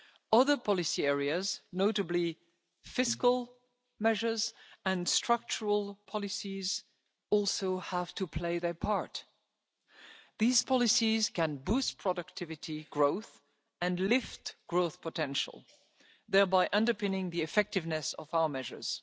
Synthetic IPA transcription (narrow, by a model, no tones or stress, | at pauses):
ʌðə˞pʰɑlˠɨsiɛɹiɨznoʊɾɨbli | fɪskəlˠ | mɛʒə˞zɨ̃nstɹ̥ʌk̚t͡ʃəɹəlˠpʰɑlˠɨsiz | ɔlˠsoʊhæv̥tʰɨpʰl̥eɪðə˞pʰɑɹt | ðiz̥pʰɑlɨsiz̥kɨ̃nbust̚pʰɹ̥ɔdɨk̚tʰɪvɨtiɡ̥ɹoʊθ | ɨ̃nlɪftɡ̥ɹoʊθpʰətʰɛ̃nʃə̰l̩ˠ | ðɛɹbaɪʔʌ̃ndə˞pɪ̃nɪ̃ŋðiɨfɛk̚tɨvnɨsʌ̰vaʊə˞mɛʒə̰˞z̥